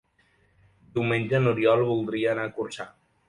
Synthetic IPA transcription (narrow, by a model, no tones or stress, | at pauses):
d̪iwmenʲd͡ʒənuɾiɔlˠβulˠd̪ɾiəːnaːkursa